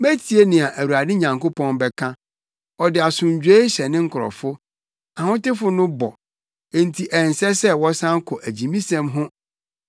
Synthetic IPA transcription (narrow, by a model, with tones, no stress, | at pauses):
mæ˦tʰi˨e˦nɪ̃˨a˨ʔæ˨wu˨ɾa˨dɪ˦ɲã˨ŋko˦pʰɔ̃˦nbɛ˨kʰã˦ | ɔ˨dɪ˨a˨sʊ̃˨ɲ˨d͡ʑᶣe˦ɕɛ˨nɪ̃˦ŋ̩˦kʰʊ˨ɔ̰˨fʊ˦ | a˨hʊ̃˦tɪ˦fʊ˦nʊ̃˦bɔ˨˦˨ | n̩˨tʰi˨ʔɛ˨n˨sɛ˦sɛ˦wɔ˦sã˦ŋ˦kʰʊ˨ʔæ˨d͡ʑĩ˨mĩ˦sɛ̃˦mɦʊ̃˦